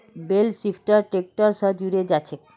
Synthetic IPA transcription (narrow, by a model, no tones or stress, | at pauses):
belsifʰʈaɾʈɾek̚ʈaɾʃɔd͡ʑuɾed͡ʑat͡ɕʰe